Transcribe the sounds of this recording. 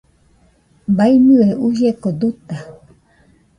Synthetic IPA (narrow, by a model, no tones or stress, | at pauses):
bainɨeʔuʒekod̪ut̪a